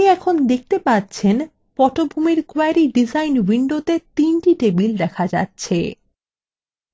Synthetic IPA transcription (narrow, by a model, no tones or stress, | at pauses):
iɛkʰond̪ek̚t̪epatːɕʰen | pɔʈobʱumiɾkoaɾiɖizajnwiɳɖot̪et̪inʈiʈebild̪ɛkʰad͡ʑa̰tːɕʰe